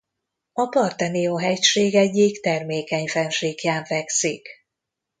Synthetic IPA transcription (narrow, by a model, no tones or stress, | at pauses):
ɒpɒrt̪ɛnioːɦɛcʃeːɡɛɟːikt̪ɛrmeːkɛɲfɛnʃeːkjaːɱvɛksik